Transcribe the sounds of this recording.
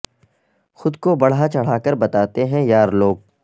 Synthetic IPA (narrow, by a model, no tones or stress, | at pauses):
xʊd̪kobɐɽ̤at͡ʃɐɽ̤aːkəɾbɐt̪aːt̪eɦɛ̃jaːɾloːɡ̚